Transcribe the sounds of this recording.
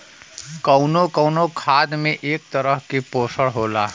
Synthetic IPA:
kɐʊnokɔʊnokʰaːd̪mẽʔeːk̚t̪əɾəɦkepoːsəɽɦoːlaː

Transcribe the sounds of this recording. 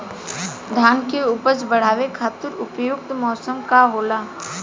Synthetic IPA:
d̪ʱaːnkeuːpəsbəɽ̤aːʋekʰaːt̪ɪɾʊpjʊk̚t̪mɔːsəmkaɦoːlaː

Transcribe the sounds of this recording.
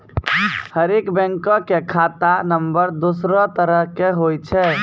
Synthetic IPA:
həɾekbɛ̃ŋkɔ̃kekʰat̪anəmbəɾd̪usɾɔt̪əɾəɦkeɦojt͡ʃʰɛ

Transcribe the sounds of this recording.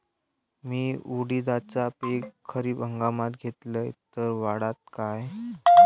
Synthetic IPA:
miːuɽid̪at͡sapekkʰəɾiːbəŋɡamat̪ɡʱet̪ləjt̪əɾʋaɽat̪̚kaj

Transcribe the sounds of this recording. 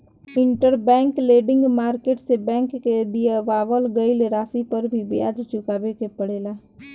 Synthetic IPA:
ɪ̃ɳʈəɾbɛ̃ːŋkleːɖɪ̃ŋɡmaːɾkeːʈsebɛ̃ːŋkːed̪ijeʋaːʋəlɡəileɾaːsipəɾbʱibija̰ːd͡ʒt͡ʃʊkaːbekepəɽeːlaː

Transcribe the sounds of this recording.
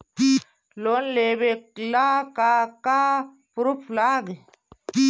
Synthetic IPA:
lonleːbeklakakaː | puɾupʰlaːɡi

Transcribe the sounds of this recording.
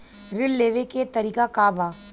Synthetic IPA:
ɾɪlːeːʋeket̪ɐɾiːkakaːbaː

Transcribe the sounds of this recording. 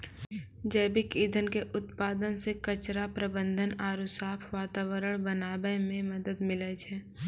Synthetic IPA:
d͡ʒɛːbɪkiːd̪ʱənkeʔʊt̪̚paːd̪ənsekət͡ʃɾapɾəbə̃nd̪ʱənaːɾusaːpʰʋaːt̪aːwəɾəɽ̃bənaːbəmẽməd̪əd̪mɪlət͡ʃʰɛː

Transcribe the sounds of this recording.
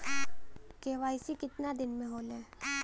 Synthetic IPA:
keʋaːisikɪt̪nad̪ɪnmẽɦoːlẽː

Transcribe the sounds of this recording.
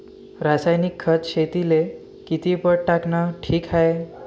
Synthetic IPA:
ɾasajnikʰːət͡sɕet̪ile | kit̪ipəɽʈaknaʈʰiːkɦaj

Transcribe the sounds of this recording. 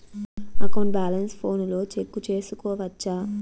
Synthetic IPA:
ɐkɐwɳbaːlɐnspʰo̞ːnlo̞ːt͡ʃekːut͡ʃe̞ːsukɔːʋɐt͡ʃːaː

